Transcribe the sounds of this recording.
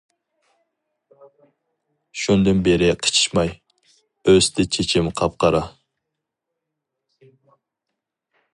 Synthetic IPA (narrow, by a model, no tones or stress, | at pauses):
ʃund̪ɨnbeɾɪqʰə̥t͡ʃʰi̥ʃmɑj | øst̪ɪt͡ʃʰet͡ʃʰimqʰɑp̚qɑɾɑ